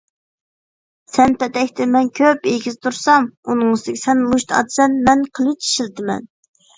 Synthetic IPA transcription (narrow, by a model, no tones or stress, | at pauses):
sɛnpʰɛt̪ɛkʲt̪ʰɪmɛnkʲʰøpeɡʲizt̪ʰuɾsɑmunɨŋɨsɨd̪ɪkʲi̥sɛnmuʃt̪ɑ̰t̪sɛnmɛnqʰəlˠɨt͡ʃʰi̥ʃilt̪ɪmɛ̰n